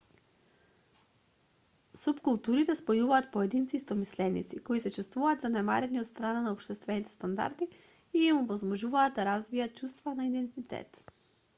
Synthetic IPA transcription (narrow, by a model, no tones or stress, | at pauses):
supkulˠt̪uɾit̪ɛspojuvaːt̪̚poɛd̪int̪sist̪ɔmislɛnḭt̪sikoisɛt͡ʃust̪vuvaːd̪zanɛma̰ɾɛniot̪st̪ɾananaopʃt̪ɛst̪vɛnit̪ɛ̥st̪and̪a̰ɾd̪i | iɛmɔvɔzmɔʒuvaːt̪̚d̪aɾazvijat̪̚t͡ʃust̪vanaid̪ɛnt̪it̪ɛ̰t̪